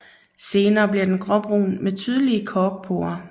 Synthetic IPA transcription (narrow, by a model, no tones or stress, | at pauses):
se̝ːnɐːb̥liɐd̥enɡ̥ʁɒ̽b̥ʁṵːnmet͡sʰyːð̞ˠəliəkʰɒːɡ̥pʰo̝̰ːɐ